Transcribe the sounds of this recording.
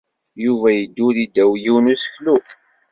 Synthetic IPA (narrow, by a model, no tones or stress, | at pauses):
juvæjəd̪ːulid̪ːæwjiwnusə̥çlu